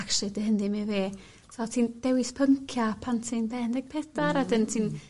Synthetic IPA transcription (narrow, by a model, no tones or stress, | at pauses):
aksɨdəɦəndimiveː | sʰɔtʰiːnd̥ɛwɪspʰəŋkʰjapʰantʰinbɛndɛɡ̥̚pʰɛdaɾadəntʰiːn